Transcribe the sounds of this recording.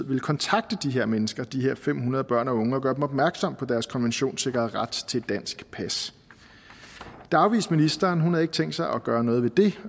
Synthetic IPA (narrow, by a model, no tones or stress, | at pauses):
ð̰ˠʋe̝lkʰɒ̽nt͡sʰɑ̈ɡ̥̚d̥əd̥iɦe̝ɐ̰menəsɡ̥ɐd̥iɦeɐ̰fem̰ɦunɐð̞ˠb̥ɶɐ̰nɒ̽ɔ̽ŋəɒ̽ɡ̥ɶːɐd̥emɒ̽b̥mæɐɡ̥sɒ̽m̰pʰɒ̽d̥æɐskʰɒ̽nʋenɕo̝̰ːnse̝ɡ̥ɐð̩ˠʁad̥t͡sʰe̝d̥æn̰sɡ̥pʰæs | d̥ɑ̈ʊʋiːsminisd̥ɐːnɦunhɑ̈e̝ɡ̥̚t͡sʰeŋ̰d̥sɑ̈ɪʔɒ̽ɡ̥ɶːɐnɔ̽ːð̞̩ˠʋe̝d̥e̝